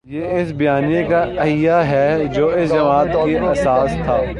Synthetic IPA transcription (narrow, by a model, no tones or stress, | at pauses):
jeːɪsbijaːnijẽkaɐɦɪjaɦɛd͡ʒoːɪsd͡ʒɐmaːt̪keɐsaːst̪ʰaː